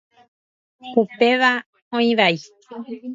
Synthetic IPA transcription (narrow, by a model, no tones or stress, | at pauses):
pupeʋa | õĩβai